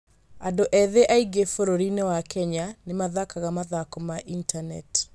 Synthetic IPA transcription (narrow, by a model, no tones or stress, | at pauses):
andoʔɛðeʔaiɡefoɾoɾinewakɛɲanemaðakaɣamaðakomaʔintanɛ̰ti̥